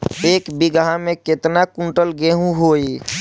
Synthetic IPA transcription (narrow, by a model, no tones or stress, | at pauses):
eːkbiɡɦãmẽket̪nakũɳʈəlɡeɦũɦoi